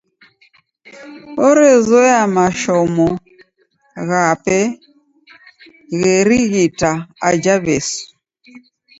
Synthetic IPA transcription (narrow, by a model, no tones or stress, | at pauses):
ɔɾɛzɔjamaʃɔmɔ | ɣapɛ | ɣɛɾiɣitaad͡ʒaβɛs